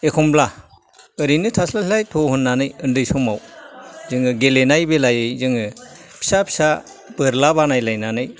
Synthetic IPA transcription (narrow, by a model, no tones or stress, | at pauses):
ekʰɔmbla | ɯɾinɯtʰaslailajtʰoɦɯnːanɯjɯndɯjsɔmawzɯŋɯɡelenajbelajɯjzɯŋɯpʰi̥sapʰi̥sa | b̥ɯɾlabanajlajnanɯj